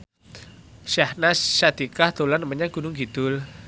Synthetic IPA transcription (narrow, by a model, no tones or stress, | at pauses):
ʃahnaʃad̪̥ikahd̪̥olanəməɲaɡ̥ṳnʊŋɡid̪̥ʊl